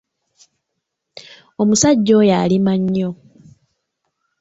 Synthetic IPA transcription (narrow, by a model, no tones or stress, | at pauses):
omusaɟːo̞jalimaɲːo̞